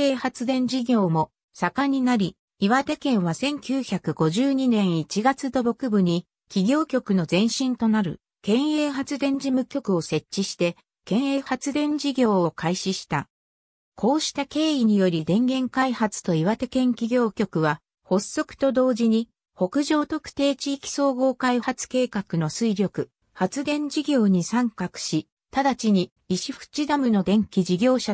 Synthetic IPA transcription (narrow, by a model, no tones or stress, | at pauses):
eːhat͡sɨd̪ẽ̞ɲ̟d͡ʑiɡʲo̞ːmo̞ | sakaɲ̟inaɾʲi | iβat̪e̞kẽ̞ɰ̃βasẽ̞ŋkʲɨːçakɯ̟ɡo̞ʑɨːɲ̟inẽ̞ɰ̃it͡ɕiɡat͡sɨd̪o̞bo̞kɯ̟bɯ̟ɲ̟i | kʲiɡʲo̞ːkʲo̞kɯ̟no̞zẽ̞ɰ̃ɕĩnt̪o̞naɾɯ̟̰ | kẽ̞ɰ̃e̞ːɦat͡sɨd̪ẽ̞ɲ̟d͡ʑimɯ̟kʲo̞kɯ̟o̞se̞t͡ɕt͡ɕːiɕi̥t̪e̞ | kẽ̞ɰ̃eːhat͡sɨd̪ẽ̞ɲd͡ʑiɡʲo̞ːokʰaiɕiɕi̥t̪a | kʰo̞ːɕi̥t̪ake̞ːiɲ̟ijo̞ɾʲid̪ẽ̞ŋɡẽ̞ŋkaihat͡sɨ̥t̪o̞iβat̪e̞kẽ̞ŋkʲiɡʲo̞ːkʲo̞kɯ̟βa | ho̞sːo̞kɯ̥t̪o̞d̪o̞ːd͡ʑiɲ̟i | ho̞kɯ̟ʑo̞ːt̪o̞kɯ̟̥t̪e̞ːt͡ɕiːkʲi̥so̞ːɡo̞ːkaihat͡sɨ̥ke̞ːkakɯ̟no̞sɨiɾʲo̞kɯ̟ | hat͡sɨd̪ẽ̞ɲ̟d͡ʑiɡʲo̞ːɲ̟isãŋkakɯ̟̥ɕi | t̪ad̪at͡ɕiɲ̟iː | ɕiɸɯ̥t͡ɕid̪amɯ̟no̞d̪ẽ̞ŋkʲid͡ʑiɡʲo̞ːɕa